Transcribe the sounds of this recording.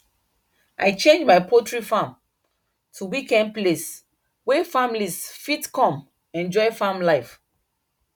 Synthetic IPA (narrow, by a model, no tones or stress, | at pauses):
ʔaɪt͡ʃẽnd͡ʒmaɪpʰotɹifãm | tʰuwikɛ̃nd̚ples | wefãmlisfitkɔ̃m | ɛ̃nd͡ʒɔɪfãmlaɪf